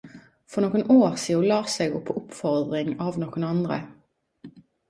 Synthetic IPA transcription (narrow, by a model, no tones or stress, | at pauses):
fɔʁnɔːkənoːʁsiːʊlɑːseːɡʊpʰːɔʔʊpfɔʁd̪ʁɪŋɑːʋnɔːkənɑnd̪ʁə̰